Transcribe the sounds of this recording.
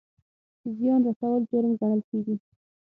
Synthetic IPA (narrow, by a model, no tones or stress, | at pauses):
zjɑnɾasawəld͡ʒoɾəmɡaɳəlkeɡi